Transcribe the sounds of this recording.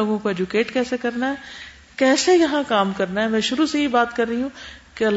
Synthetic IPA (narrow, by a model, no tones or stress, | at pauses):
oːɡõkoɛd͡ʒukeːʈkɛːsekɐɾnaɦɛː | kɛːsejɐɦãkaːmkɐɾnaɦɛmɛ̃ːʃʊɾusejibaːt̪kɐɾːəɦiɦũkeɐl